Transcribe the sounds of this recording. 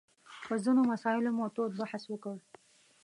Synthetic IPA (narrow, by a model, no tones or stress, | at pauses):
pəzinomasɑɪlomot̪od̪̚baħaswəkəɽ